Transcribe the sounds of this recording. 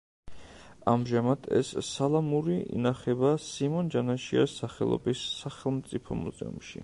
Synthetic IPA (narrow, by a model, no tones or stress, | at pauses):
amʒamad̪ʰɛ̰sːalˠamuɾiḭnaχɛbasimɔnd͡ʒanaʃiasaχɛlˠɔ̰bisːaχɛlˠmt̪sʼipʰɔmuzɛ̰umʃḭ